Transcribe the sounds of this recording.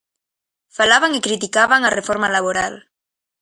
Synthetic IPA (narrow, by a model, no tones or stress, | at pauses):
falaβaŋikɾit̪ikaβaŋarefoɾmalaβoɾal